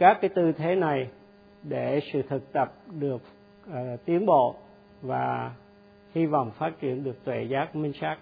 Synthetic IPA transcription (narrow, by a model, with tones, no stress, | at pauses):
kaː˦˥kːaː˨˦jt̪ɨ˧t̪ʰe˨˦na˨˩j | ɗe˧˩sɨ̰˧˨t̪ʰɨ˨˩k̚t̪ə˨˩p̚ɗɨ˨˩ək̚ː | t̪i˨˦ənɓo̰˧˨ | vaː˨˩ | hi˧vɔ̰˧˨wŋ͡mfaː˦˥t̚t͡ɕi˧˩ənɗɨ˨˩ək̚t̪we˧˩zaː˦˥k̚mï˧ŋ̟saː˦˥k̚